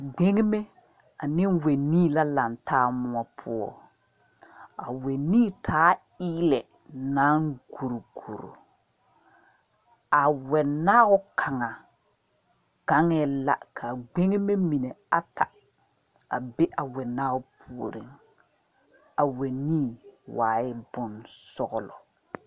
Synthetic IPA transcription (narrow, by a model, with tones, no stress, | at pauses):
ɡ͡be˦ŋe˦me˦ | a˨nɪ̃˦we˨nĩː˦˨la˦la˨ntʰaː˦mʊ˦ɔ˦pʰʊ˦ɔ̰˦ | a̰˨we˨nĩː˦˨tʰaː˦ | iː˦lɛ˨ | naː˦ŋɡo˨ɾo˨ɡo˨ɾo̰˨ | a˨wɛ˨naː˦ɣʊ˦kʰa˨ŋa˨ | ɡa˨˦ŋɛ˦la̰˦kʰa˨ɡ͡be˦ŋe˦me˦mi˨ne˨a˨ta˨ | a˨be˦ʔa˨wɛ˨naː˦ɣʊ˨˦pʰu˨o˨ɾi˨ŋ | a˨wɛ˨nĩː˦˨waː˨ɪ˦bʊ˨nsɔ˦ɣɔ˨lɔ̰˨